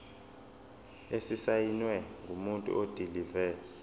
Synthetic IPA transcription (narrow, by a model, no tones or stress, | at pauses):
esisajinwɛŋʱumuntʼṵʔod̥ʱilivɛː